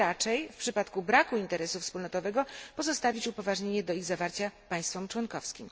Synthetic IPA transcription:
at͡ʂɛjfpʂɘpat̪kubɾakuint̪ɛɾɛsufspulnɔt̪ɔvɛɡɔpɔzɔst̪avʲit͡ɕupɔvaʐɲeɲɛd̪ɔiɣzavaɾt͡ɕapaj̃st̪fɔmt͡ʂwɔnkɔfskʲim

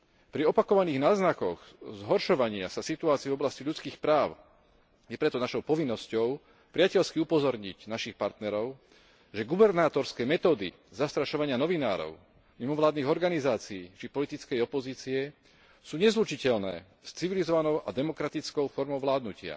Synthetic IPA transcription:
pɾiɔpakɔʋaniːɣnaːznakɔɣzɦɔɾʃɔʋaɲɪa̰sasit̪uaːt͡siɛvɔblasciʎut͡skiːxpɾaːʊ | jɛpɾɛt̪ɔnaʃɔʊpɔʋinːɔscɔʊ | pɾɪacɛʎskiupɔzɔɾɲiɟnaʃixpaɾt̪nɛɾɔʊ | ʒɛɡubɛɾnaːt̪ɔɾskɛːmɛt̪ɔːd̪ḭ | zast̪ɾaʃɔʋaɲɪanɔʋinaːɾɔ̰ʊ | mimɔʋlaːd̪niːɣɔɾɡanizaːt͡siːt͡ʃipɔlit̪it͡skɛjɔpɔziːt͡siɛ | suːɲɛzlut͡ʃicɛʎnɛ̰ː | st͡siʋilizɔʋanɔʊʔad̪ɛmɔkɾat̪it͡skɔʊfɔɾmɔʊʋlaːd̪nucɪa̰

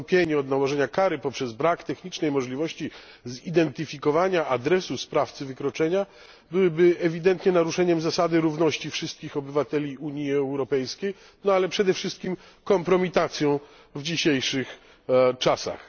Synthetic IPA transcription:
mpʲjeɲɛɔd̪nawɔʐɛɲakaɾɘpɔpʂɛzbɾakt̪ɛxɲit͡ʂnɛjmɔʐlʲivɔɕt͡ɕi | zid̪ɛnt̪ɘfʲikɔvaɲaʔad̪ɾɛsuspɾaft̪sɘvɘkɾɔt͡ʂɛɲa | bɘwɘbɘɛvʲid̪ɛnt̪ɲɛnaɾuʂɛɲɛmzasad̪ɘɾuvnɔɕt͡ɕifʂɘst̪̚kʲixɔbɘvat̪ɛlʲiuɲjiɛwɾɔpɛjskʲej | nɔalɛpʂɛd̪ɛfʂɘst̪̚kʲim | kɔmpɾɔmʲit̪at̪sʲjɔ̃w̃ | vd͡ʑiɕejʂɘx | t͡ʂasa̰x

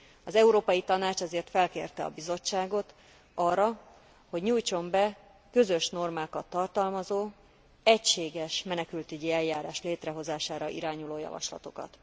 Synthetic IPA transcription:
ɒzɛuɾoːpɒjit̪ɒnaːt͡ʃɛzeːrt̪fɛlkeːrt̪ɛɒ̰bizo̞t͡ʃːaːɡo̞t̪ | ɒrːɒ | ho̞ɟɲuːjt͡ʃo̞mbɛ | kø̞zø̞ʃno̞rmaːkɒt̪ːɒrt̪ɒlmɒzoː | ɛcʃeːɡɛʃmɛnɛkylt̪yɟiɛljaːɾaːʃleːt̪rɛɦo̞zaːʃaːɾɒʔḭɾaːɲuloːjɒ̰vɒ̰ʃlɒ̰t̪o̞kɒ̰t̪

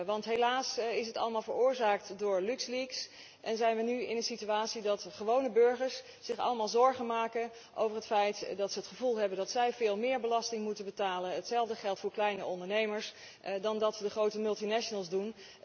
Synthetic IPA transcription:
ʋɑntɦelaːsɪsətɑ̰ləmaːlˠvəɹʊːɹzaːk̚tdʊːɹlʉksliks | ʔɛnzɛjnʋənyɪnənsityaːtsidɑtχəʋownəbɵɹχəɹs | sɪχɑ̰ləmaːlˠzɔɹχənmaːkə | ʔo̰wvərɦətfɛjtdɑtsəɦətχəvulˠɦɛbəndɑtsɛjvɪːlˠmɪːɹbəlɑstɪŋmutənbətaːlənətsɛlˠvdəχɛlˠtfʊːɹklɛjnəʔɔndəɹnejməɹs | dɑndɑtədəχrowtəmɵlˠtinɛʃənəlˠzdun

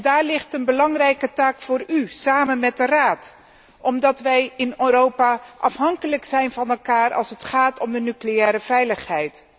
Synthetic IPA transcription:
daːɹlɪχtənbəlɑŋrɛjkətaːkfʊːɾysaːmənmɛt̚dəraːt | ʔɔmdɑtʋɛjɪnøːɾowpaʔɑfɦɑŋkələksɛjnvɑnɛlˠkaːrɑ̰lˠsətχaːtɔmdənyklejɛːɾəvɛjləχɦɛjt

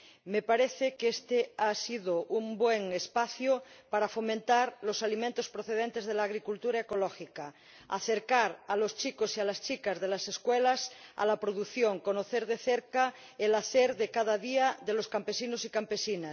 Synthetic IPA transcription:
mepaɾeθekest̪easiðoʔumbweŋespaθjopaɾafomẽnt̪aɾlosalimẽnt̪ospɾoθeðẽnt̪ezðelaːɣ̞ɾikult̪uɾaekolɔxika | a̰θeɾkaɾalost͡ʃikosialast͡ʃikazðelaseskwelasa̰lapɾoðuθjoŋkonoθeɾðeθeɾka | elaθeɾðekað̞aðiaðeloskampesinosikampesinas

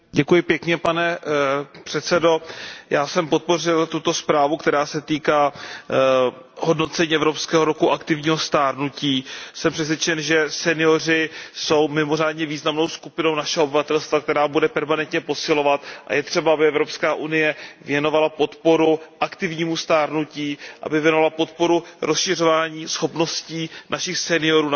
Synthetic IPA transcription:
ɟɛkujɪpjɛkɲɛpanɛ | pr̥ɛt̪sɛdo̞jaːsɛmpot̪̚po̞rɪlt̪ut̪o̞spɾaːvukt̪ɛɾaːsɛt̪iːkaː | ɦo̞dno̞t̪t͡sɛɲiːʔɛvɾopskɛːɦoɾokuʔakt̪ɪvɲiːɦo̞st̪aːɾnuciːsɛmpr̥ɛs̬vʲjɛt͡ʃɛnʒɛsɛnɪjo̞rɪso̞wmɪmo̞r̝aːdɲɛviːznamno̞wskupɪno̞wnaʃɛɦoobɪvat̪ɛlst̪vakt̪ɛɾaːbudɛpɛɾmanɛnt̪ɲɛpo̞sɪlo̞vat̪ʔa̰jɛt̪r̝̥ɛbaabɪɛvɾo̞pskaːʔunɪjɛvjɛno̞valapo̞t̪po̞ɾuʔakt̪ɪvɲiːmust̪aːɾnuciːʔa̰bɪvjɛnovalapo̞t̪po̞ɾuɾʔosʃɪro̞vaːɲiːsxo̞pno̞sciːnʔaʃɪxsɛnɪjo̞ɾuː

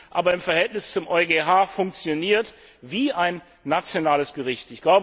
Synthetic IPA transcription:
ʔaːbɐɪmfɛɐɦɛltnɪst͡sʊmʔɔʏɡeːɦaːfʊŋk̚t͡sjoniːɐt | viːʔaɪnː | at͡sjonaːləsɡ̥əʁɪçtɪçɡ̥laʊbə

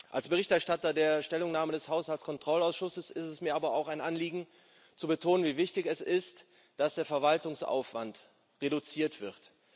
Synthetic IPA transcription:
ʔa̰lsb̥əʁɪçtɛɐʃtatɐdeːɐʃtɛlʊŋnaːmədɛshaʊshalskʰɔntʁ̥ɔlaʊsʃʊsəsɪstɛsmiːɐaːbɐaʊxaɪnʔanliːɡŋ̩ | t͡subətʰoːnənviːvɪçtɪçɛsɪst | d̥asd̥eːɐfɛɐvaltʊŋsʔa̰ʊfv̥a̰nt | ʁedut͡siːɐtv̥ɪt

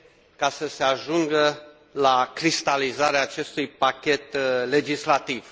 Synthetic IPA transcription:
kasəse̞aʒuŋɡə | lakɾist̪alizaɾeaːt͡ʃe̞st̪ujpakʲe̞t̪le̞d͡ʒislat̪iv̥

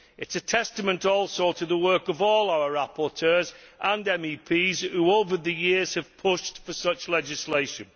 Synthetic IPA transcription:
ɪtsətʰɛstəmə̃ntɔˑlˠsoʊtʰəðəwɜˑ˞kəvɔːlˠaʊəɹapɔtʰɜːzʔə̃nɛ̃miːpʰiːz̥huoʊvəðəjɪəz̥əv̥pʰʊʃtfəsʌt͡ʃlɛd͡ʒɪsleɪʃə̃n

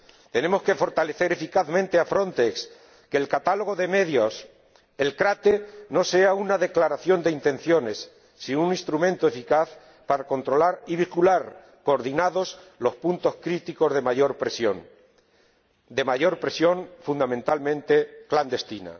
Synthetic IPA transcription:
t̪e̞ne̞mo̞ske̞fo̞ɾt̪ale̞θe̞ɾe̞fikaðmẽ̞nt̪e̞afɾo̞nt̪eks | ke̞ːlkat̪alo̞ɣo̞ðe̞me̞ðjos | elkɾat̪eno̞se̞aunaðe̞klaɾaθjo̞nd̪eint̪ẽ̞n̟θjo̞nesː | iunĩst̪ɾumẽnt̪oe̞fikaθ | paɾako̞nt̪ɾo̞laɾiβ̞ikulaɾ | ko̞ːɾðinaðo̞slo̞spunt̪o̞skɾit̪iko̞zðe̞maʝo̞ɾpɾesjoŋ | d̪e̞maʝo̞ɾpɾesjo̞ŋfund̪amẽnt̪almẽ̞nt̪e̞kland̪e̞st̪ina̰

